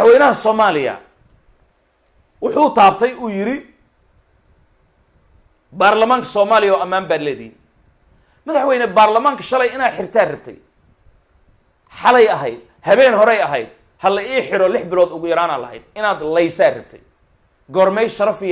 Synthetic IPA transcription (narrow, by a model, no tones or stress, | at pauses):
ɐħwɛːnɐɦɐsɔːmaːlɪjɐ̰ | wʊħuːt̪ʰaːb̚t̪ʰɛjuːjɪɾɪ | baːrlɐmaːŋkʰɐ̥sɔːmaːlɪjɔːɐmaːmbaːd̪lɛːðɪiːn | mɐðɐħwɛːnɛbaːrlɐmaːŋkʰɐ̥ʃɐlɛjɪnaːd̪ħɪrt̪ʰaːrɪb̚t̪ʰɛ̰j | ħɑlɛjɐɦɛjd̪̚ | hɐβɛːnɦɔɾɛjɐɦɛ̰jd̪̚ | hɐlɐiːħɪɾɔlɪħbɪlɔːd̪ʊɣʊjɐɾaːnaːlɐ̰ɦɛ̰jd̪ɪnaːd̪lɛjsaːrɪb̚t̪ʰɛ̰j | ɡɔrmɛjʃɐɾɐfɪ